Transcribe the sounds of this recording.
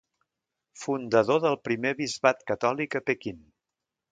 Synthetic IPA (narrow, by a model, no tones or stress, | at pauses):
fund̪əðoðəlˠpɾimeβizβat̪kət̪ɔlikəpekin